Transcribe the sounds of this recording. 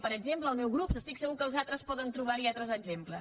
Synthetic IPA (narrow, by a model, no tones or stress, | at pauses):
pəɾəɡzempləːlˠmɛwɣɾupsəst̪iksəɣukəːlˠzat̪ɾəspɔðənt̪ɾuβaɾiat̪ɾəzəɡzemplə